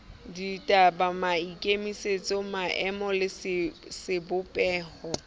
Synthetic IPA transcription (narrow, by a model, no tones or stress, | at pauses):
ditʼabamaikʼemiset͡sʼɔmaʔɛmɔlɪssɪbʊpʼɛːhɔ